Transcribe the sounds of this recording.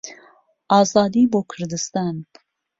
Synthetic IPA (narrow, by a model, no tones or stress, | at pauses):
ɑːzɑːd̪iːboːkʰɨɾd̪ɨst̪ɑːn